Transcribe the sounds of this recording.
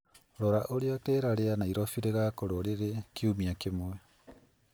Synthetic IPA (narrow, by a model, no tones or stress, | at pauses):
ɾoɾaʔoɾeateɾaɾeanaiɾofiɾeɣakoɾoɾeɾekiumiakemoe